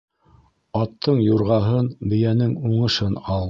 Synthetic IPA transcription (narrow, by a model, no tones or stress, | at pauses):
ɑt̪ʰːɤɴjuɾʁɑɦɤnbɘ̆jænɘŋuɴɤ̆ʃɤnɑlˠ